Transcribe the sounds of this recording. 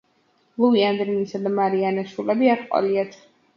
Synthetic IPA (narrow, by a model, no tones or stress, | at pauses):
luiand̪ɾinisad̪amaɾianaʃulɛbiaɾqʼwa̰liat̪ʰ